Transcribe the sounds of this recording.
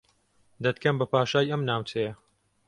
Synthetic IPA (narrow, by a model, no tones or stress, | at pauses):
d̪ɐt̪kʰɐmbɐpʰaːʃaːjʔɐmnaːwt͡ʃʰɛjɐ